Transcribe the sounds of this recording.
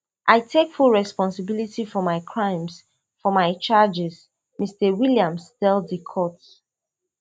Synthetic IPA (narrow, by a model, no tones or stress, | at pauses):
ʔaɪtʰekfulɹɛspɔ̃nsɪbilitifɔmaɪkʰɹãɪ̃ms | fɔmaɪt͡ʃad͡ʒɛz | mistəwiljãmstɛlˠdikʰɔt